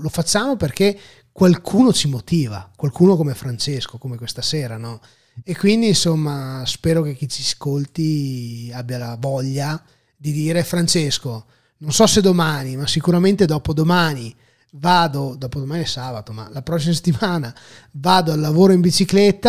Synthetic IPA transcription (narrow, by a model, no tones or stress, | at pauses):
lofat͡ʃːaːmoperk̟e | kwalkʰuːnot͡ʃimot̪iːva̰kwalkuːnokomefɾant͡ʃeskokomekwest̪aseːɾanɔ | ekːwind̪insomːaspɛːɾok̟ek̟ːit͡ʃiskolt̪iabːjalavɔʎːa | d̪id̪iːɾefɾant͡ʃesko | nonsɔsed̪omaːnimasikuɾament̪ed̪ɔːpod̪omaːni | vaːd̪od̪ɔːpod̪omaːniesaːbat̪oma̰lapɾɔs̬ːimase̥t̪ːimaːna | vaːd̪oalːavoːɾoimbit͡ʃiklɛt̪ːa